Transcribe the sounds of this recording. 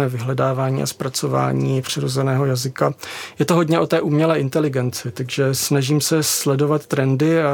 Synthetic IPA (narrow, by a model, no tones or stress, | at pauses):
ɛːvɪɦlɛdaːvaːɲḭːʔa̰spɾat͡so̞va̰ːɲiːpr̝̥ɪɾo̞zɛnɛːɦo̞jazɪkajɛt̪oɦo̞dɲɛʔo̞t̪ɛːʔuːmɲɛlɛːʔɪnt̪ɛlɪɡɛnt͡sɪt̪aɡʒɛsnaʒiːmsɛslɛdo̞vat̪ːɾɛndɪa